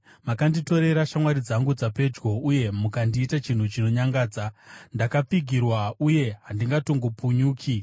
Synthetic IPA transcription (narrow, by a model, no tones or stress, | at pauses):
makandito̞ɾe̞ɾaʃamwaɾid͡zaŋɡud͡zape̞d͡ʒɡo̞uje̞mukandiːtat͡ʃin̤ut͡ʃino̞ɲaŋɡaːd͡zandakap͡fiɡʱirwauje̞ɦandiŋɡato̞ŋɡopuɲuːkʰi